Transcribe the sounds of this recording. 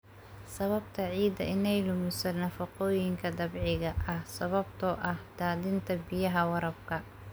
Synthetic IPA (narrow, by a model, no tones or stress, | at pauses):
sɐβɐbt̪ʰɐʕiːd̪ɐ̰ʔɪnɛjlʊmɪsɐnɐfɐqɔːjɪŋkʰɐd̪ɐbʕɪɣɐʔɐhsɐβɐbt̪ʰɔʔɐhd̪aːðɪnt̪ʰɐbɪjɐɦɐwɐɾɐbkʰɐ